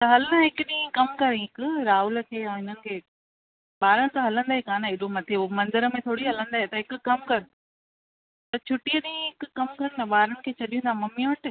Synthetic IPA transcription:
t̪ɐɦɐlnaɦɪkʊɗĩːkɐmkɐɾɦɪkʊɾaːɦʊlkʰeːãːɦɪnənɪ̆kʰeː | ɓaːɾənɪ̆t̪aɦɐlə̃nd̪aːɦekaːnəɪɗomɐt̪ʰeomɐ̃nd̪əɾəmẽt̪ʰoːɽiɦɐlə̃nd̪aːɦet̪ɐɦɪkʊ̆kɐmkɐɾɪ | t̪ɐt͡ɕʰʊʈijəɗĩːɦɪkʊkɐmkɐɾnɐɓaːɾənɪ̆kʰeːt͡ɕʰɐɗijũːnd̪ʱamɐmiʊ̃ɳʈ

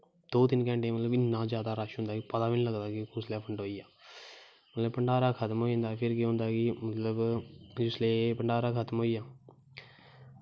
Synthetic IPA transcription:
d̪̥oːt̪ɪnkɛ̃ːɳʈẽːmət̪ləbɪnːãːd͡ʒjaːd̪aːɾaːʃɦʊ̃nd̪aːkːpəd̪aːʋinːləɡd̪aːkɪkʊslɛːpʰəɳʈɦoːiːaː | mət̪ləbpəɳɖaːɾaːkʰət̪mɦoːĩːnd̪aːpʰɪɾkɪɦʊ̃nd̪aːkɪmət̪ləbd͡ʒʊsleːpəɳɖaːɾaːkʰət̪mɦoːiːaː

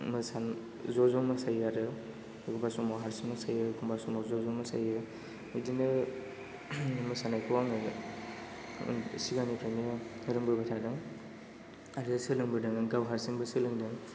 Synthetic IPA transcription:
mɯsan | zɔzɔmɯsajaɾɯ | kubasɔmawɦaɾsiŋmɯsajɯkʰumbasɔmazɔzɔmɯsa̰jɯ | ɯdinɯ | mɯsanajkʰuwaŋɯ | siɡanipʰanɯɯɾɯŋbɯbatʰadɯŋ | aɾsɯlɯŋbɯdɯŋɡawɦaɾsiŋbɯsɯlɯŋdɯŋ

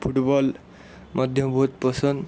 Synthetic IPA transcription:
pʰuʈbʌl | mʌd̪ʱjʌbʱut̪̚pʌsʌn

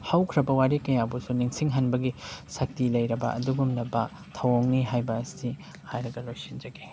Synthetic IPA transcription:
hawkʰɾɐbɐwaɾikɐjabusuniŋsiŋɦɐnbɐɡisɐk̚tilɐjɾɐbɐ̰ʔɐ̰duɡumnɐbɐ | tʰɐwoŋniɦajbɐːsi | hajɾɐɡɐlojsind͡ʒɐɡi

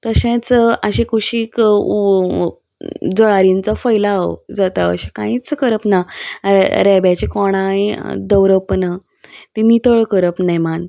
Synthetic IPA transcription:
t̪əɕẽt͡səɕẽkʰuɕiːk | d͡zɔɭaɾint͡safəjlao̰d͡zat̪aə̰ɕẽkãĩt͡skəɾəpna | ɾɛbjat͡ɕikɔɽ̃ãid̪əwɾəpəna | t̪inːit̪əɭkəɾəpnaman

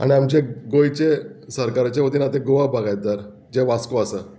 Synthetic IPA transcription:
a̰ɽ̃iamt͡ɕeɡojt͡ɕesəɾkaɾt͡ɕeʋot̪iːnat̪ẽɡoʋaɦbʱaɡajt̪̚d͡zəɾ | d͡ʑeʋaskoasə

